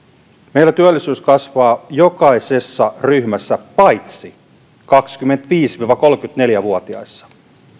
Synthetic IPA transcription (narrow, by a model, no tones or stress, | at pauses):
mejlːæt̪yølːisyːskɑsʋɑːjo̞kɑjse̞sːɑryhmæsːæpɑjt̪si | kɑksk̟ymːent̪ʋiːsʋiːʋɑko̞lk̟yt̪ne̞ljæʋuot̪iɑ̰isːɑ̥